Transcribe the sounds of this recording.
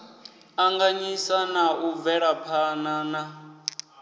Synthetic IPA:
aŋɡaɲisanauvɛɺapʰanaːna

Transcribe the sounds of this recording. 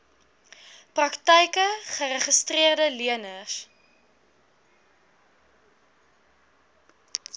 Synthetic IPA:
prɐktɛjkəχəɾəχəstriərdəliənəs

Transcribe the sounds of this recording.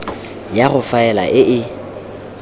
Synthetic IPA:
jaɣʊfaɛla̰ʔɪʔɪ

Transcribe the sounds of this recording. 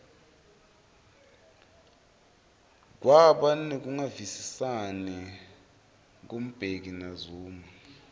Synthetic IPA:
k̬waɓanɛk̬uŋavisisanɛ | k̬om̩b̥ʱek̬inazuːma

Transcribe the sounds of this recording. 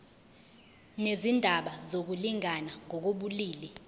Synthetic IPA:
nezindʱaɓazok̬uliŋanaŋɔk̬oɓuliːlɛ

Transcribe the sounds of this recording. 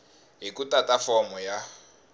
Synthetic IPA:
ɦikutatafɔmuja

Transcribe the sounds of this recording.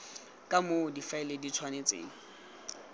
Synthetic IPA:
kʼamodifaɪledit͡sʰwanet͡sʼḛːŋ̩

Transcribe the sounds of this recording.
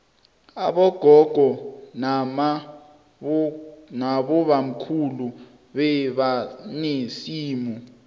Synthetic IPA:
aɓɔɡ̥ʱɔɡ̥ʱɔnam | naɓɔβam̩kʰulu | ɓɛɓanisiːmu

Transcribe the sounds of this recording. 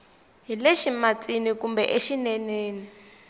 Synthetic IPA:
ɦileʃimat͡sʼinikumbɛ̰ʔeʃinɛneːni

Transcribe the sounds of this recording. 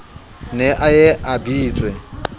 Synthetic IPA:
nɛʔajɛʔabiːt͡sʼwɛ

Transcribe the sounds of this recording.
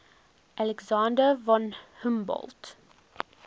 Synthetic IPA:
ʔɑlɛɡsɑnd̪əʋɑnhʉmbɔ̰lt̪

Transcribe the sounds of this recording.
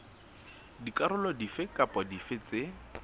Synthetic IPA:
dikʼaɾʊlɔdifɪkʼapʼɔdifɪt͡sɪ

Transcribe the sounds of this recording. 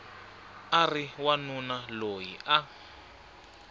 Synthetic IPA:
ariwanunalojḭʔa

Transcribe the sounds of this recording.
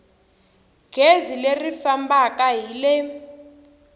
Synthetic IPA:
ɡ̥ʱezilerifambakaɦile

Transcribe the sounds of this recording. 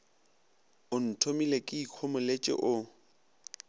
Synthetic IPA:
ʊn̩tʰomilekʼɪiq͡χʰomʊlet͡ʃʼɪ̰ʔʊ

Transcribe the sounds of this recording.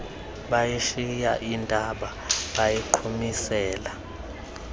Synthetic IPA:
ɓajiʃijaʔintʼaɓa | ɓajiǃʰumisɛːla

